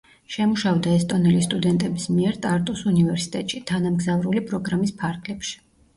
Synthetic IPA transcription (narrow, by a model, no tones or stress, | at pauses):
ʃɛmuʃaɔd̪aɛst̪ʼɔnɛlist̪ʼud̪ɛnt̪ʼɛbismiɛɾt̪ʼaɾt̪ʼɔsunivɛɾsi̥t̪ʼɛt̪ʼʃit̪ʰanamɡzavɾulipʼɾɔɡɾamispʰaɾɡlɛpʃi̥